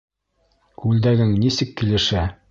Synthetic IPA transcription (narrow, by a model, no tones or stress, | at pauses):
kʉld̪æɡɘŋnisɘkːilɘ̆ʃæ